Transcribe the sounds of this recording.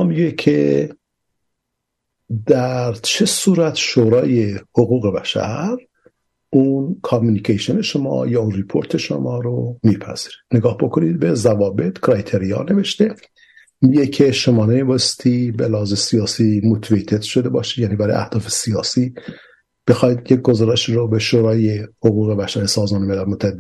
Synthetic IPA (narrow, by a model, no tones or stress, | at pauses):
ɒːmiɡecʰe | d̪æɾt͡ʃʰe̞suːɾæt̪ʃoːɾɒːje̞hoɣuːɣe̞bæʃæ̰ɾ | uːnkʰɑmuːnikʰejʃone̞ʃomɒ̰ːjɒːunɾipʰo̞ɾt̪ʰe̞ʃo̰mɒːɾomiːpʰæ̰z̥iːɾid̪̥neɡɒːhbo̞kʰo̞nid̪̚bezævɒːbe̞t̪ʰkʰɾɑjt̪ʰeɾijɑ̰ːne̞ve̞ʃt̪e̞ | mijecʰeʃo̞mɒːnemibɑst̪ʰibelæhɒːzesijɒːsiːmot̪ʰvejt̪ʰet̪ʃo̞d̪e̞bɒ̰ːʃid̪jæniːbæɾɒːj̰ʔæ̰hd̪̥ɒːfe̞sijɒːsiː | b̥exɒjd̪jeɡozɒːɾeʃiːɾobeʃoːɾɒːjehoɣuːɣe̞bæʃæɾesɒːzmɒːnemelælmot̪ʰːæed̪ː